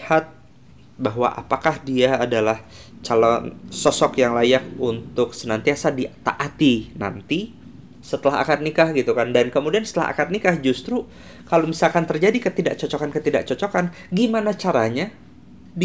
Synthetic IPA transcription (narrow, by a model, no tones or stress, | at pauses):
hat̪̚ | baɦwa̰ʔa̰pakahdiaːdalah | t͡ʃalɔnsɔsɔkjaŋlajak̚unt̪ʊksənant̪iasadit̪a̰ʔat̪ina̰nt̪i | sət̪əlaɦa̰kat̪̚nikahɡit̪ukandankəmudiansə̥t̪əla̰ɦa̰kat̪̚nikahd͡ʒust̪ɾu | kalomisalkant̪ərd͡ʒadikət̪ida̰ʔ̚t͡ʃɔt͡ʃɔkankət̪ida̰ʔ̚t͡ʃɔt͡ʃɔkan | ɡimanat͡ʃaɾaɲa